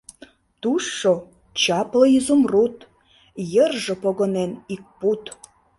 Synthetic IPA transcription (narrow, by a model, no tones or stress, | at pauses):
t̪uʃːo | t͡ɕɑpləizumrut̪ | jərʒə̆poɣonenik̚put̪